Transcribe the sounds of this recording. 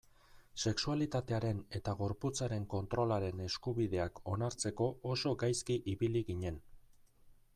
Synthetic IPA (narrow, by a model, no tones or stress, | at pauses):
se̞ksualit̪at̪e̞aɾe̞ne̞t̪aɣo̞ɾput͡saɾe̞ŋko̞nt̪ɾo̞laɾe̞ne̞skuβið̞e̞ako̞naɾt͡se̞ko̞oso̞ɡajskiʔiβiliɣiɲe̞n